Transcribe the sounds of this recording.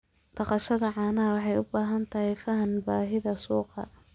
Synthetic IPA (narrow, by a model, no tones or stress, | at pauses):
t̪ɑqɑʃɐðɐʕɑːnɐɐwɑħɑjʊbaːɦɐnt̪ʰɐhɪjfɐɦɐnbaːɦɪðɐsuːqɑ̰